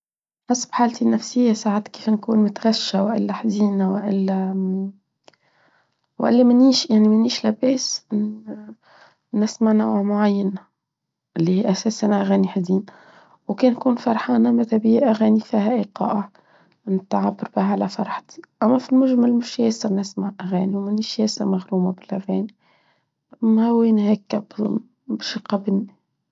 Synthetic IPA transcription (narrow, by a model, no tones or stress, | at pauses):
ħɑsːˤbħaːlt̪inːæfsɪjːasaːʕat̪kiːfnkuːnmʊt̪ɣaʃːawʔɪ̰lːæħziːnawɪʔɪlːæ | w̰ʔɪ̰lːimɪniːʃjaʕnimæniːʃlæbeːs | nːæsmaʕnawamʊʕajːana | ʔɪlːihiːʔæsɛːsʔænaʔæɣæːniħd̪iːn | wkɛːnːkuːnfɑɾˤħɑːnamat̪æbijʔæɣæːnifiːhæʔiqɑ̰ːʔa | nɪt̪ʕabːɑɾbɪhʕalæfɑɾˤħt̪i̥ʔæmːæfilmʊʒmalmʊʃjɛːsɑnɪsmaʕʔæɣæːniwmɪniːʃjɛːsɑmaɣɾuːmabɪlʔæɣæːni | mæwinhæːkːæb | bʃqɑbɪni